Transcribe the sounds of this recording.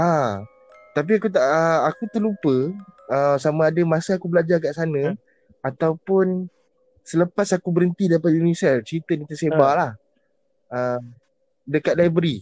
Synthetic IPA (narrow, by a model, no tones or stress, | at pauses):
a | t̪ap̬iakut̪aʔəakut̪əlupəəsamãːdəmãsaakubəlad͡ʒakaʔsanə̃ | at̪awpʊn | sələpasakubəɾənt̪idaɾipat̪̚junisɛrt͡ʃəɾit̪ənit̪əsebalah | əm | dəkat̪̚laibəɾi